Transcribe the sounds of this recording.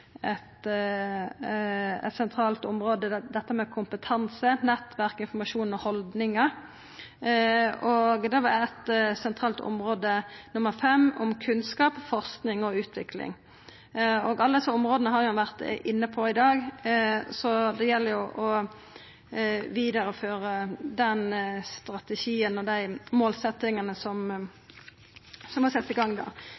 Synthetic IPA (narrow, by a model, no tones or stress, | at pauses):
ɛt̪ | ɛ̰t̪sɛnt̪ʰɾɑːlt̪ʊmɾoːd̪əd̪ɛt̪ːəmɛkʰʊmpət̪ʰɑnsənɛt̪ʋæʁkɪnfɔmɑʂuːnɔhɔld̪nɪŋɑ | ɔɡd̪ɛʋɑɛt̪sɛnt̪ʰʁɑːlt̪ʰʊ̰mʁoːd̪ənʊməʁfɛmːɔmkʰʉnskɑːpfɔʁsknɪŋɔʉːt̪ʰʋɪklɪ̰ŋ | ɔɡɑlːəd̪ɛsəʊmʁoːd̪ənəɦɑɾjʊɛnʋæʁt̪ʔɪnːəpʰɔɪd̪ɑːɡ | sɔd̪ɛjɛlːəɾjʊʔɔ | ʋiːd̪əɾəføːɾəd̪ɛnst̪ɾɑt̪ɛʃiːənɔd̪æɪmoːlsɛt̪ːɪŋənəsɔm | sɔmhɑsɛt̪ːɪɡɑŋːd̪æ̰ːʁ